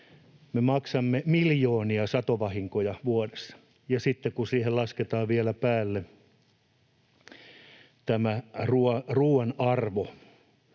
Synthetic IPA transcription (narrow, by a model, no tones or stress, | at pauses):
memɑksɑmːemiljoːniɑsɑt̪oʋɑhiŋkojɑʋuodesːɑ̥ | jɑsit̪ːekusiːhellɑsket̪ɑːʋʋiælæpæːlːe | t̪æmæruoruːwenɑrʋo